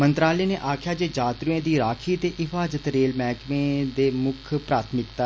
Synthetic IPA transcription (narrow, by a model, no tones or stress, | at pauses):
mənt̪ɾaːleːneːʔaːkʰjaːd͡ʒeːd͡ʒaːt̪ɾuẽːd̪iːɾaːkʰiːt̪eːʔɪfaːzət̪ɾeːlmɛːkmẽːd̪eːmʊkʰpɾaːt̪ʰmɪkt̪a